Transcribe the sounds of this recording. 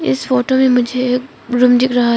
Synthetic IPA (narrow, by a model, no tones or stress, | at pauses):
ɪ̰sfoːʈomẽmʊd͡ʒʱek | ɾʊmd͡ʒikɾɐɦa